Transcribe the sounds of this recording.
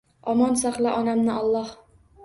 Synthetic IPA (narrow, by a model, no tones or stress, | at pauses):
ɒmɒnsaχlaʔɒnamnɪʔɒlˠːɑh